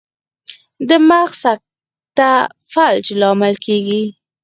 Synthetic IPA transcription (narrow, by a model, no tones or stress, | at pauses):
d̪əmaɣsak̚ | t̪a | fald͡ʒlɑmɪlkʰeɡi